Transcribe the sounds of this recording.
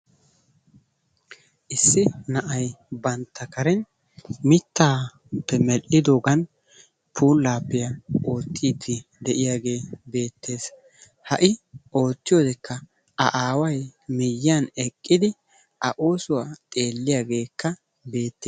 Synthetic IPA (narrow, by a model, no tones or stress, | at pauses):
ʔɪsːɪnɐʔɐjbɐnt̪ʰːɐkɐɾɛn | mɪt̪ʰːaː | pːɛmɛlʔɪd̪oːɡɐn | pʰuːlːaːpːɪjɐo̞ːt̪ːiːd̪ːɪ | d̪ɛʔɪjaːɡe̞ːbe̞ːt̪ːe̞ːs | hɐʔɪʔo̞ːt̪ːɪjo̞ːd̪ɛkːɐ | ɐʔaːwɐjmɪjːanɛkʼːɪd̪ɪ | ʔɐʔo̞ːsʊwaːt̪ʼe̞ːlːɪjaːɡe̞ːkːɐ | be̞ːt̪ːeː